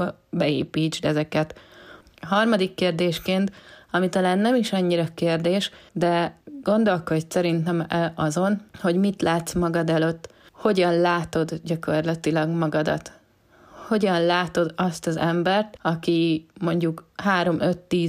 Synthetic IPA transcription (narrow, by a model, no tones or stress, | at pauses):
bɛḛːpiːd͡ʒd̪ɛzɛkɛt̪ | ɦɒrmɒd̪ikːeːrd̪eːʃkeːnt̪ɒmit̪ɒlaːnːɛmiʃɒɲːiɾɒkeːrd̪eːʃd̪ɛɡo̞nd̪o̞lkossɛɾint̪ɛmɛɒzo̞nho̞ɟmit̪laːt̪smɒɡɒd̪ɛløt̪ːho̞ɟɒnlaːt̪o̞d̪ɟɒko̞rlɒt̪ilɒɡmɒɡɒd̪ɒ̰t̪ | ho̞ɟɒnlaːt̪o̞d̪ɒst̪ɒzɛmbɛrt̪ɒkimo̞ɲɟukhaːɾo̞mʔø̞t̪ːiː